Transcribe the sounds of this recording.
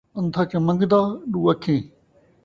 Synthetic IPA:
ə̃nt̪ʰaːt͡ʃɐmə̃ŋɡd̪aːɗuːəkʰːẽː

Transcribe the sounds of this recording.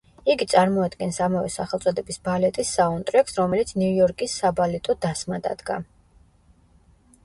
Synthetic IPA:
iɡit̪sʼaɾmɔad̪ɡɛnsamavɛ̰saχɛlˠt̪sʼɔd̪ɛbisbalɛt̪ʼisːaɔnt̪ʼɾɛksɾɔmɛlit̪sʰnujɔɾkʼisːabalɛt̪ʼɔd̪asmad̪a̰d̪ɡa̰

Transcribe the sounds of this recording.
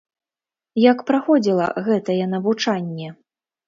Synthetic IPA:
jɐkpɾaxɔd͡zʲilˠɐ̰ɣɛt̪ɐjɛnɐvut͡ʂanʲːɛ

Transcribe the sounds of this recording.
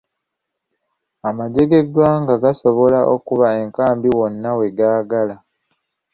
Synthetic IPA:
amaɟe̞ɡe̞dwaŋɡaɡaso̞βo̞laʔokuβae̞ŋkaːmbiwo̞nːawe̞ɡaːɡala

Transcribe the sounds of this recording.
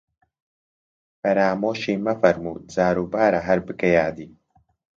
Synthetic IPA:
fɐɾaːmoːʃiːmɐfɐɾmuːzaːɾuːbaːɾɐɦɐɾbɨkɐjaːd̪iː

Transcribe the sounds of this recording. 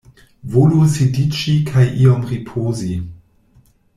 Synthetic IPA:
volusidit͡ʃikʰajʔiɔmʁipʰoːzi

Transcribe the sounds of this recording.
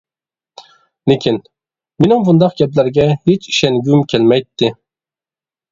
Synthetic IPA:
lekʲʰin | minɪmbund̪ɑqɡʲɛplæɾɡʲɛhet͡ʃi̥ʃɛnɡʲymkʲʰelmæjt̪ːɪ

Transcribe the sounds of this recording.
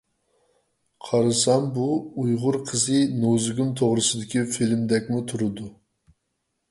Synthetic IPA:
qʰɑɾɨsɑmbuːjʁʊɾqʰəzɨnozɪɡʲumt̪ʰoʁɾɨsɨd̪ɪkʲifilmd̪ɛkʲmut̪ʰuɾɨd̪u

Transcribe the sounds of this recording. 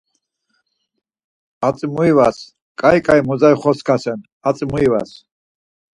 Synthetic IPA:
at͡sʼimuivas | kʼajkʼaimɔzajχɔskʰasɛn | at͡sʼimuiva̰s

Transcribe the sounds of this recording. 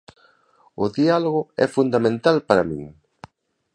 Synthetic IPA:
ʊðialoɣʊɛ̰fund̪amẽnt̪alpaɾamḭ̃ŋ

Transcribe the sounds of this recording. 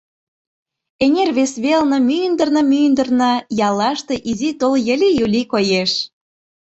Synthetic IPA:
enʲerβesβelnɤ̆mynd̪ə̆rnɤ̆mynd̪ə̆rnɑjɑlˠːɑʃt̪e̽ʔizit̪oljə̆lʲijulʲikojeʃ

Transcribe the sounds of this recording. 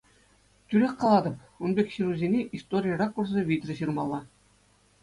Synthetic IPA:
tʲyɾʲekʲqɑlˠɑd̪ɤ̆p | unbʲekʲɕiɾuzʲenʲeʔist̪oɾʲijərɑkːurzɤʋʲit̪ʲrʲɘ̆ɕɯrmɑlˠːɑ

